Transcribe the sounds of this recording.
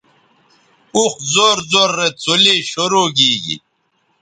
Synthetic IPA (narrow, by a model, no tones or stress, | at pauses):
uxzoːɾzoːɾːet͡sʰuliɕoɾoːɡiːɡḭ